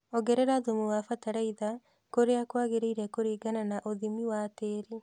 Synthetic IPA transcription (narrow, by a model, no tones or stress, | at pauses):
oɣɛɾɛɾaðomuwafataɾaiða | koɾeakwaɣeɾeiɾɛkoɾiːɡananaʔoðimiwateːɾe